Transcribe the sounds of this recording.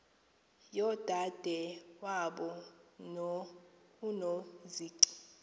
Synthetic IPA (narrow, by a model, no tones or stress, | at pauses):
jɔd̥ʱad̥ʱɛwaɓɔ | unoziːǀi̥